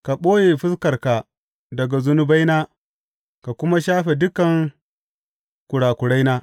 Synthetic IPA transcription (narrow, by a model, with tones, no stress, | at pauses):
ka˨ɓoː˦jeː˨ɸɪ˦skɐ˨rka˨ | dɐ˨ɡa˨zʊ˦nʊ˦ba˦jnaː˦ | ka˨kʷʊ˦ma˦ʃaː˦ɸe˨dʊ˦kɐ˨ŋ | kʷʊ˨ɽaː˨kʷʊ˨ɽa˦jnaː˦